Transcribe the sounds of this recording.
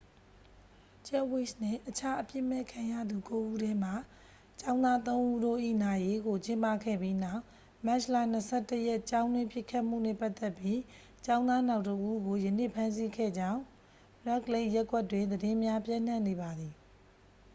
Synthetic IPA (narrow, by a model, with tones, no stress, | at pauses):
t͡ɕɛ˦wɪ˦sn̥ɪ̰̃˦˨ʔət͡ɕʰa˦ʔəpjɪ˦˨mɛ˦˨kʰã˨ja̰˦˨d̪u˨ko˦ʔu˦ɾɛ˦m̥a˨ | t͡ɕã˦ʊ̃nd̪a˦t̪õ˦ʊ̃ʔu˦ɾo̰˦˨ʔḭ˦˨na˨je˦ɡo˨t͡ɕɪ̃˦mpa˦˨kʰɛ̰˦˨bji˦na˦ʊʔ | mɛ˦˨ʃla˦˨n̥əsʰɛ˦˨təjɛ˦ʔt͡ɕã˦ʊ̃ndwɪ̃˦pjɪ˦˨kʰːa˦ʔm̥ṵ˦˨nɛ˦˨pa˦ʔt̪ɛ˦˨pji˦ | t͡ɕã˦ʊ̃nd̪a˦na˦ʊtəʔu˦ɡo˨jə˨ne˦˨pʰã˦ns̬i˦kʰɛ̰˦˨d͡ʑã˦ʊ̃ | ɹɛ˦kle˦ʔjɛ˦kwɛ˦˨tːwɪ̃˨nd̪əɾɪ̃˦mja˦pjã˦n̥ã˦˨ne˨βa˨d̪ði˨